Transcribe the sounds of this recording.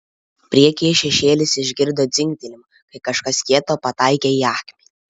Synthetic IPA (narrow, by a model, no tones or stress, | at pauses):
pʲɾʲiɛkʲiɪʃʲɛʃʲeːlʲɪsɪʒʲɡʲɪɾd̪oːd̪zʲɪŋʲkʲt̪ʲɛlʲɪm | kɐɪkɐʃkɐskʲiɛt̪oːpɐt̪ɑˑɪkʲeːiɑːkʲmʲiː